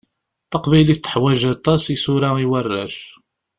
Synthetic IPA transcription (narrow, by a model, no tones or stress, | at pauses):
θɑqbæjliθt̪ːə̥ħwæʒat̪ˤːɑsisʊɾaiwərːæ̰ʃ